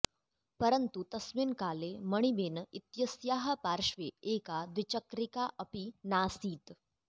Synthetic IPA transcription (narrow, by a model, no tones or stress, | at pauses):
pəɾənt̪ut̪ɐsminkaːleməɽ̃ibenit̪jɐsjaːɦəpaːɾʃʋeeːkad̪ʋit͡ɕəkɾikaʔɐpinaːsiːt̪